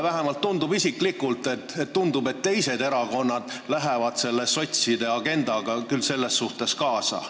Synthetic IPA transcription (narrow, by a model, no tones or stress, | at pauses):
væɦemɑlt̪ːund̪̥ubisiklikult̪ːˑe̞t̪ːet̪t̪ːund̪ube̞t̪ːe̞jse̞d̪e̞ɾɑko̞nːɑd̪̥læɦevɑd̪se̞lːeso̞t̪ʲsid̪e̞ɑɡ̥e̞nd̪ɑɡ̥ɑkylse̞lːe̞sːuht̪e̞skɑːsɑ̰